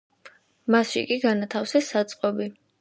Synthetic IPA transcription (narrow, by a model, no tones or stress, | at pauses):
masʃḭkʼiɡanat̪ʰafsɛsːat̪sʼqʼɔbi